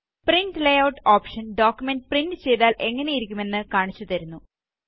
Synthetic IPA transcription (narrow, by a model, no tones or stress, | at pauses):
priɳɖlejɐwʈoːpʂɐnɖoːkʲjume̞nɖprinɖɨt͡ɕe̞jtðaːlʔe̞ŋːɐnejiɾikʲːume̞nːɨkaːɳit͡ɕːut̪ɐɾunːu